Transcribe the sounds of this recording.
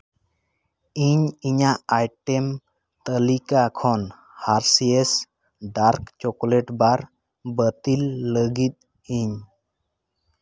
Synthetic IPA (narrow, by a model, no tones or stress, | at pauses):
iɲiɲaʔajʈem | t̪əlikakʰɔn | haɾsies | ɖaɾkt͡ʃɔkleʈbaɾ | bət̪ilːəɡit̪̚ | iɲ